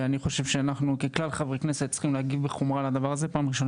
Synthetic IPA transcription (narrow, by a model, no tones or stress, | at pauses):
aniχo̞ʃe̞vʃeanaχnukeklalχavʁekneset̪t͡sχimlehaɡivbeχomʁalad̪avaʁazepaːmʁiʃo̞n